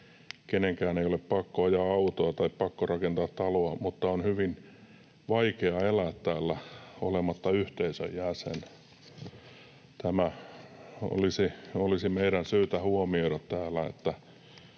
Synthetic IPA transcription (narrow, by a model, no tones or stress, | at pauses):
keneŋkæːneijoleppɑkːoɑjɑɑut̪oɑt̪ɑippɑkːorɑkent̪ɑːt̪tɑloɑmut̪ːɑonhyʋin | ʋɑikeɑelæːt̪tæːlːæo̰lemɑt̪ːɑyht̪eisø̰jjæsḛn | t̪æmæ | o̰lisiolisimeiɾænsyːt̪æhuomioiɾɑt̪t̪æːlːæḛt̪ːæ